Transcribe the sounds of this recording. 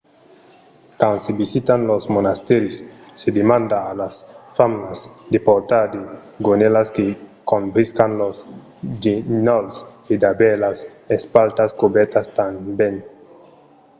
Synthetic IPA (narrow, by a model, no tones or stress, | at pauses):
kansebisit̪anlosmonast̪eɾisːed̪emãnd̪aːlasfamnasd̪epoɾt̪ad̪i | ɡonelaskekonbɾiskanlos | d͡ʒinols | id̪abelas | espalt̪askubet̪ast̪amben